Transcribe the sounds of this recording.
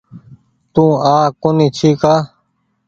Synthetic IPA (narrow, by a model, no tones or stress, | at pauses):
t̪ũːãːkʊnit͡ʃʰiːkaː